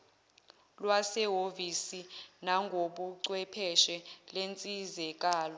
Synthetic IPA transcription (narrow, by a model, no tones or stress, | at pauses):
lwasɛɦovisinaŋɡʱoɓuǀwɛpʰɛʃɛlent͡sʼizɛk̬ʼaːlɔ